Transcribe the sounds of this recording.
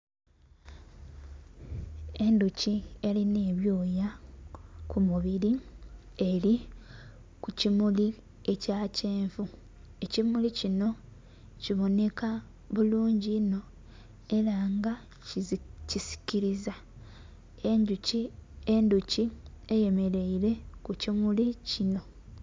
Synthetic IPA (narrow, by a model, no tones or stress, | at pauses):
e̞nducie̞line̞ːβjo̞ːja | kumuβiɾi | e̞ɾi | kucimuli | e̞caːce̞ːɱvu | e̞cimulicino̞ | ciβo̞ne̞ka | βuluːɲɟino̞ | e̞ɾaːŋɡa | cisi̥ciɾiza | e̞ɲɟucienduci | eje̞me̞ɾe̞iɾe̞kucimulicino̞